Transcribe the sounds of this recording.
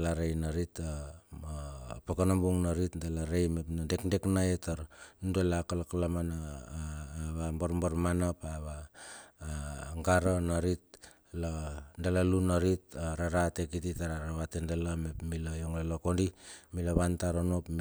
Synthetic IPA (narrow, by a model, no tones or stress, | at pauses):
laɾejnaɾita | pakanombuŋnaɾitdelaɾejmepnadekdeknaetaɾnudolakalakalamana | βamboɾmboɾmanapaβaː | ŋɡaɾonaɾit̚ | landelalunaɾitaɾaɾatekititaɾaɾaβatendelamepmilajoŋlelokondimilaβantaɾonopm